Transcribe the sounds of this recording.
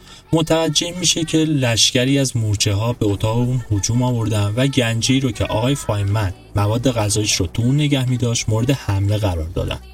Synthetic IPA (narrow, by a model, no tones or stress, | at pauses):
mo̞t̪ʰævæd͡ʒːe̞miːʃe̞cʰe̞læʃcæɾiːæzmuɾt͡ʃʰe̞ɦɒːbe̞ot̪ʰɒːɣeuːnhod͡ʒuːmɒːvo̞ɾd̪ænvæɟænd͡ʒeiːɾocʰḛʔɒ̰ːɣɒːjefɒːimːænd̪mævɒːd̪ːe̞ɣæzɒːjeʃɾot̪ʰuuːnːe̞ɟæhmiːd̪ɒːʃt̪moːɾe̞d̪e̞hæmle̞ɣæɾɒːɾd̪ɒ̰ːd̪æ̰n̥